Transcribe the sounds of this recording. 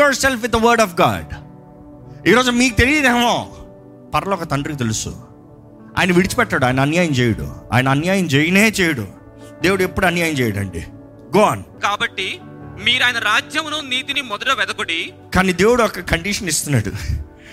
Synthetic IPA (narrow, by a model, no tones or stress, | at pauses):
ɐːɾselfʋit̪̚d̪ɐʋɐɾɖɔːfɡa̰ːɖ | iːɾoːd͡ʒumiːkut̪e̞lijid̪eːmoː | pɐɾɐlɔːkɐt̪ɐɳɖɾikit̪elusṵ | a̰ːjnɐʋiɽit͡ʃi̥pɛʈːaːɽuaːjnɐɐnjaːjɐmt͡ʃeːjɐɽṵa̰ːjnɐɐnjaːjɐmt͡ʃeːjɐneːt͡ʃeːjɐɽṵ | d̪e̞ːwuɽuepːuɽuɐnjaːjɐmt͡ʃɛːjɐɽɐ̰ɳɖḭ | ɡoːaːnkaːbɐʈːi | miːɾaːjnɐɾaːd͡ʒjɐmnuniːt̪inimɔd̪ɐʈɐʋɛd̪ɐkoɽi | kaːniːd̪e̞ːwuɽuɔkɐkɐɳɖiʂɐnist̪unːaːɽṵ